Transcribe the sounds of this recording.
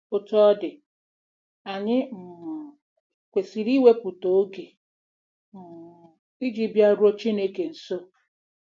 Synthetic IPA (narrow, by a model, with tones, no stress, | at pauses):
ʊ˦tɔ˦dɪ˨ | a˨ɲɪ˦m̩˨ | kʷe˨si˨ɾi˦we˦pu˨to˨o˦ɡe˨ | m̩˨ | i˦d͡ʒi˦bja˦ɾʊ˦o˦t͡ʃi˦ne˦ke˨n̩˨so˦